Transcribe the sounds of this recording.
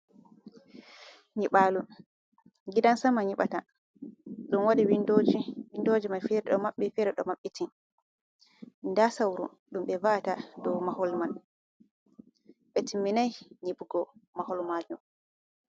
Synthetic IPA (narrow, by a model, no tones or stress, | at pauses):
ɲiɓaːlu | ɡidansamaɲiɓa̰ta | ɗunwaɗiwindod͡ʒwindod͡ʒimajfɛɾɛɗɔmaɓːɛfɛɾɛɗɔ̰maɓːɛtʰin | ndasawɾṵ | ɗumɓɛvaʔatadɔwmahɔlman | ɓɛtʰimːinajɲibuɡɔmahɔlmad͡ʒum